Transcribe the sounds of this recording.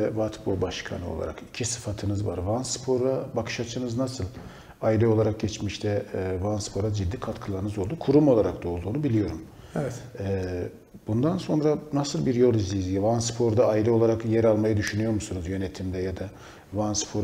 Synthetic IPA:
ɛvat̪bobaʃkʰa̰nɯolˠa̰ɾa̰kicʰisɯ̥fat̪ʰɯnɯzva̰ɾvanspʰo̞ɾabakʰɯ̥ʃat͡ʃʰɯnɯznasɯlˠ | ailʲɛo̞lˠaɾak̚ɟɛt͡ʃmiʃt̪ʰɛvanspʰo̞ɾad͡ʒid̪ːikʰat̪kʰɯlˠaɾɯnɯzo̞lˠd̪ukʰuɾumo̞lˠaɾak̚d̪o̞ːlˠd̪uːnubilʲijo̞ɾum | ɛɛt̪ɛː | bund̪anso̞nɾanasɯlˠbiɾjo̞lˠizlʲizijɛvanspʰo̞ɾd̪aːjilʲɛo̞lˠaɾakjɛɾalˠmajad̪yʃynyjo̞ɾmusunuzjø̞net̪ʰimd̪ɛjad̪a | vanspʰoɾ

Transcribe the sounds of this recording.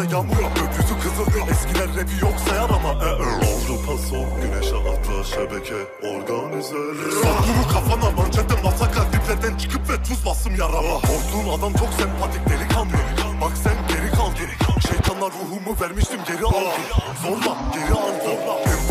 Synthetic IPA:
ajamɯjøpjyzykʰɯzɯɾd̪ɯɛscilʲæɾːɛb̪ijoksajaɾamaʔɛavɾupʰasoɟynɛʃaa̰t̪ʰˠaʃabecʰi | oɾɡanizɛ | soɾlˠumukʰafanˠavaɾt͡ʃʰɛt̪ʰːɛnmasakʰat̪iplʲæɾd̪ænt͡ʃʰɯ̥kʰɯpvɛt̪ʰuzbasɯmjaɾalˠaoɾˠuːnad̪amt͡ʃʰo̞ksɛnpʰat̪ʰiclʲeɾikʰalˠmɯjoɾbaksænɟe̞ɾikʰalˠɟeɾɛʃejt̪ʰanlˠaɾːuɦuːmuvæɾmiʃt̪ʰimɟe̞ɾialˠɯɯm | zoɾlˠaɟe̞ɾilˠzoɾlˠa

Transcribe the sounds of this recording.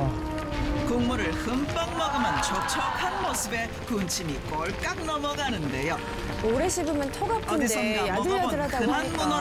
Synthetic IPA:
kuŋmuɾɯɭhɯmp͈ʌŋ̚mʌɡɯmant͡ɕʰok̚t͡ɕʰʌkʰanmosʰɯbe̞ | kunt͡ɕʰimik͈ʌɭk͈ak̚nʌmʌɡanɯnde̞jo | oɾeɕʰibɯmɯntʰoɡakʰɯnsʰʌnadɯjʌɯɾadaɯnanbun

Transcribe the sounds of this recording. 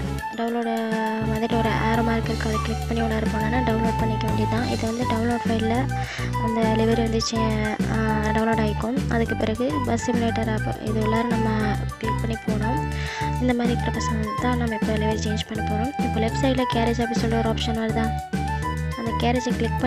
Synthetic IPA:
ɖɐʋʊ̃nloːɖ | mɐðɪʈːɔɾɯʔaːɾoːmaːɾkɐɾkːɐðɯkɪɭɪk̚pɐɳːiɔlːɐɪɾɯpːaːŋɡɐnːaːɖɐʊnloːɖ̚pɐɳːɪkːɐʋeːɳɖit̪ãːʔɪðɯʋɐnd̪ɯɖɐʋʊ̃nloːɖfɐɪllɐ | ɐnd̪ɐlɪʋɐɾiʋɐnd̪ɯt͡ʃe | ɖɐʋʊnloːɽaːjɪkːʊ̃mɐ̰ðɯkːɯpɪɾɐɣɯbɐsːɪmɪleːʈːɐɾa̰ɪ̰ðɯɛlːaːɾɯ̃nɐmːɐklɪk̚pɐɳːipoːɳʊ̃ | ɪnd̪ɐmaːd̪ɾipɪɾɐpɐsɐŋɐt̪ãːnɐmːɐɛpːolɪʋɐɾit͡ʃeːnd͡ʒpɐɳːipoːɳʊ̃ɪpːoːlʋɛbsɐɪʈlɐkeːɾed͡ʒɐpːɽĩsɔlːɐɔɾaːpʂɐnʋɐɾt̪ãː | ɐnd̪ɐkeːɾed͡ʒklɪk̚pɐ

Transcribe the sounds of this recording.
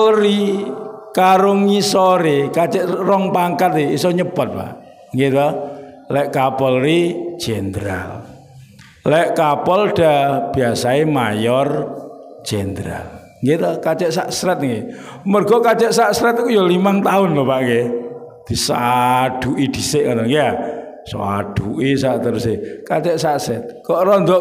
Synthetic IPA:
lri | kaɾʊŋːisɔɾekat͡ʃɛʔrɔŋpaŋkat̪eisɔɲəpət̪̚pa̰ʔ | ŋɡet̪ɔ | lɛʔkapɔlri̥d͡ʒ̥end̪ɾa̰l | lɛʔkapɔlɖ̥ab̥iasaemajɔr̥ | d͡ʒ̥ɛnd̪ɾa̰l | ŋɡit̪ɔkat͡ʃɛʔsa̰ʔsɾɛt̪̚ŋɡemərɡ̥ɔkat͡ʃɛʔsaʔsɾɛt̪̚kujɔlimaŋt̪aʊnlɔpaʔŋɡe | d̪̥isaɖ̥uʔid̪̥isɪʔŋat̪ɔŋɡeja | so̰aɖ̥uʔisaʔt̪əɾʊsekat͡ʃɛʔsaʔsɛt̪̚kɔʔɾɔnd̪ɔʔ

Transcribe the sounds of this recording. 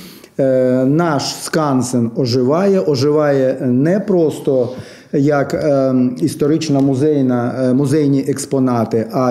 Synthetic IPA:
nɑʃskɑnsenɔʒɪʋɑjɛʔɔʒɪʋɑjɛnɛpɾɔst̪ɔ | jɐk | ist̪ɔɾɪt͡ʃnɐmʊzɛjnɐmʊzɛjnʲiʔɛkspɔnɑt̪ɪʔɐ

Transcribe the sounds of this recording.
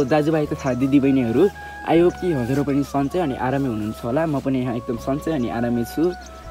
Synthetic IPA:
d͡zad͡zubajk̪ʌt̪ʰad̪id̪ibʌjneɦʌɾu | a̰jokt̪iɦʌd͡zʌɾopʌnisʌnt͡sʌjʌniʔaɾamiɦununt͡sʰʌɦolamʌpʌniɦãek̚d̪ʌmsʌnt͡sʌjʌniʔa̰ɾamit͡sʰu

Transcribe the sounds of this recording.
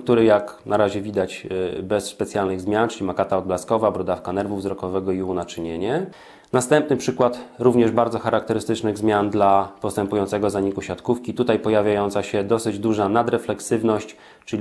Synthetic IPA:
k̚t̪uɾɘjaknʔaɾaʑɛvʲid̪at͡ɕbɛsːpɛt̪sʲjalnɘɣzmʲjant͡ʂɘlʲimakat̪aɔd̪blaskɔvabɾud̪afkanɛɾvuvzɾɔkɔvɛɡɔiunat͡ʂɘɲeɲɛ | nast̪ɛmp̚nɘpʂɘkwat̪ɾuvɲɛʐbaɾd̪zɔxaɾak̚t̪ɛɾɘst̪ɘt͡ʂnɘɣzmʲjand̪lapɔst̪ɛmpujɔnt̪sɛɡɔzaɲikuɕat̪kufkʲit̪ut̪ajpɔjavʲjajɔnt̪saɕɛd̪ɔsɘd͡ʑd̪uʐanad̪ɾɛflɛksɘvnɔɕt͡ɕ | t͡ʂɘlʲi

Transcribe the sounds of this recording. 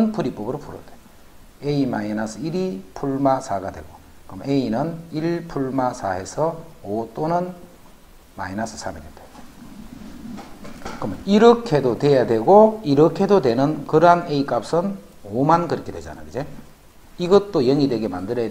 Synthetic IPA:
npʰuɾip͈ʌbɯɾopʰuɾo̰dwe | eimainasʰɯiɾipʰuɭmasʰaɡadwe̞̰ɡo | kɯmeinɯniɭpʰuɭmasʰae̞sʰʌot͈onɯn | ma̰inasʰɯ̥sʰamedede | kɯmʌniɾʌkʰe̞dotwe̞jadwe̞ɡoiɾʌkʰe̞dodwe̞nɯnkɯɾʌɦaneik͈ap̚s͈ʌn | omankɯɾʌkʰe̞dwe̞d͡ʑa̰na̰joid͡ʑe | iɡʌt͈ojʌŋidwe̞ɡe̞mandɯɾejad

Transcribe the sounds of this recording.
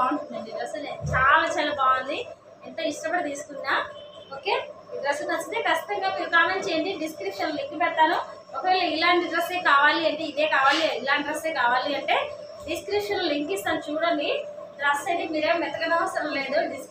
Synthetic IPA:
aːnuɐɳɖid̪ɾɐsɐnet͡ʃaːlaːt͡ʃaːlapaːʋɐnd̪i | ɛnt̪ɐːiʂʈɐpɐɽit̪iːsu̥kunːaːo̞ːkeː | id̪ɾɐsɐnɐt͡ʃːit̪eːkɐt͡ʃːi̥t̪ɐŋɡaːmiːɾukaːment͡ʃejɐɳɖiɖiskɾipʂɐnlliŋkipɛɽt̪aːnu | ɔkɐʋɛːlɐilaːɳʈid̪ɾɐseːkaːʋaːliɐɳʈiːd̪eːkaːʋaːliilaːɳʈid̪ɾɐseːkaːʋaːliɐɳʈe̞ː | ɖiskɾipʂɐnlɐliŋkist̪aːnut͡ʃuːɽɐnɖi | d̪ɾɐsːɐʈimiːɾeːmmɛt̪ːɐɡɐd̪ɐʋɐsɐɾɐmle̞ːd̪uɖi

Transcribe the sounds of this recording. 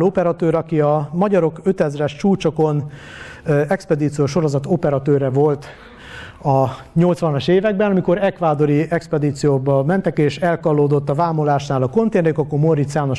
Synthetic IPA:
opɛɾɒt̪øːɾɒkiɒmɒɟɒɾo̞kø̞t̪ɛzrɛʃt͡ʃuːt͡ʃoko̞n | ɛkspɛd̪iːt̪sijoʃo̞ɾo̞zɒt̪o̞pɛɾɒt̪øːɾɛvo̞lt̪ | ɒ | ɲo̞lt̪sʋɒnɒʃeːvɛɡ̚bɛnɒmiko̞ɾɛkvaːd̪o̞ɾiɛkspɛd̪iːt̪sijoːbɒmɛnt̪ɛkeːʃɛlkɒlːoːd̪o̞t̪ːɒvaːmolaːʃnaːlɒko̞nt̪eːnɛjokɒkːomorit̪sjaːno̞ʃ

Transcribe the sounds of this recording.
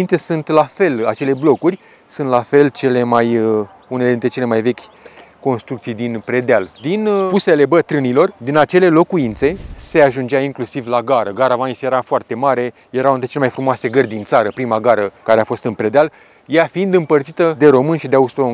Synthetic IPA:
int̪sesunt̪lafe̞lat͡ʃe̞le̞blo̞kurʲ | sunt̪lafe̞lt͡ʃe̞le̞maj | uneled̪int̪ɾe̞t͡ʃe̞lemajve̞kʲ | ko̞nst̪ɾuk̚t̪sijd̪inpɾe̞d̪eald̪inpuse̞le̞bət̪ɾɨnilo̞rd̪inat͡ʃe̞le̞lo̞kuint̪se̞se̞aʒund͡ʒeaiŋklusivlaɡaɾəɡaɾavanisejeɾafoart̪e̞maɾe̞ | je̞ɾawɨnt̪ɾet͡ʃelemajfɾumoase̞ɡərd̪int̪saɾəpɾimaɡaɾəkaɾe̞afo̞st̪ɨnpɾed̪eal | jafiind̪ɨmpərt̪sit̪əd̪e̞ɾo̞mɨnʃid̪eaust̪o

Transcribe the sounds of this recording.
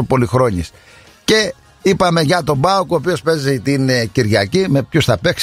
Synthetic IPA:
opo̞lixɾo̞ɲḭs | ce̞ | ipɐme̞ʝɐt̪o̞bɐokuoːpio̞spe̞zit̪inciɾʝɐcime̞pçusθɐpe̞ks

